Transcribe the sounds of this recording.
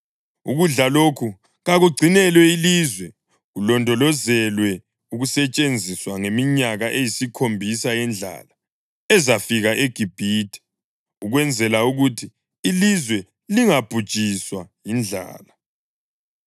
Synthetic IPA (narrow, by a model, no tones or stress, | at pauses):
uɣuɮalokʰu | ɣaɣuɡ͡ǀʱinɛlwɛiliːzwɛ | ɣulɔndʱɔlɔzɛlwɛ | uɣusɛt͡ʃʼend͡zʱiswaŋemiɲaɣaʔejisikʰombʱisajɛnd͡ɮʱa̰la | ɛzafiɣaʔeɡ̥ʱib̥ʱiːtʰʼɛ̥ | uɣwɛnd͡zʱɛlauɣutʰiː | lizwɛ | liŋab̥ʱud̥ʒ̥ʱʼiswajind͡ɮʱa̰ːla